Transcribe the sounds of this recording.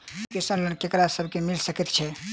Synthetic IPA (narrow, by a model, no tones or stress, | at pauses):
kesənlənkekɾasəbʱkemilsəkɛt̪t͡ʃʰɛ